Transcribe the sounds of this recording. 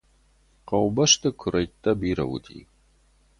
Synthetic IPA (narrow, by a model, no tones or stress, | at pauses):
qɐwbɐʂtʰɨkʷʰʊɾɐjtːɐbiːɾɐ̰wʊ̰tʰḭː